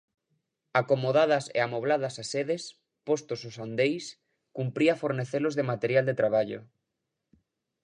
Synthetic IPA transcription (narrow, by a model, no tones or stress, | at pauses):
akomoðaðɐsḛamoβ̞laðasaseðes | post̪ososand̪ejs | kumpɾiafoɾneθelozðemat̪eɾjald̪et̪ɾaβ̞aʎo̰